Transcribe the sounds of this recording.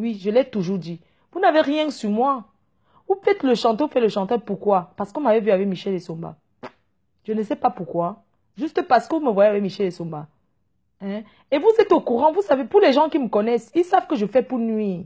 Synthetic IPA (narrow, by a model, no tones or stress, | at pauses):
wiʒəlɛt̪uʒuʁd̪i | vunaveʁjɛ̃symwa | vufɛt̪ləʃɑ̃t̪oufɛt̪ləʃɑ̃t̪aʁpuʁkwapaʁsə̥kɔ̃mavɛvyavɛkmiʃɛlesɔ̃ba̰ | ʒ̥ənəsɛpapuʁkwa | ʒyst̪əpaʁsə̥kəvuməvwajeavɛkmiʃɛlesɔ̃ba̰ | ɛ̃ | evuzɛt̪okuʁɑ̃vusavepuʁlɛʒɑ̃kiməkɔnɛsilsavkəʒəfɛpunɥi